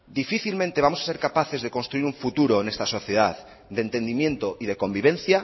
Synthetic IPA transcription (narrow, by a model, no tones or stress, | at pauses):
d̪ifiθilmẽnt̪eβamo̞sḁseɾkapaθe̞zðe̞ko̞nst̪ɾuiɾuɱfut̪uɾoenest̪aso̞θje̞ðað | d̪ent̪e̞nd̪imje̞nt̪oʔiðe̞ko̞mbiβ̞ẽ̞nθja